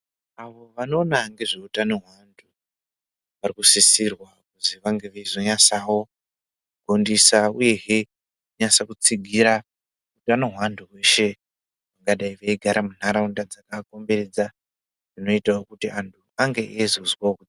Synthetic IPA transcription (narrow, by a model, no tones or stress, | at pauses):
aʋo̞ʋano̞ːnaŋɡe̞ʐeutanoɦwandʰʱu | ʋarikusisirwakuziʋaŋɡe̞ʋeizo̞ɲasawo̞ | kuɡ̥ʱo̞ndisauje̞ɦe | kuɲasakut͡siɡʱiɾa | utano̞ɦwandʰʱuwe̞ʃe̞ | ʋaŋɡaɗaiʋeiɡʱaɾʔamun̤aɾaundad͡zakako̞mbe̞ɾe̞d͡za | d͡zino̞itaokutiʔantʰuaŋɡe̞ʔezozwaokud͡z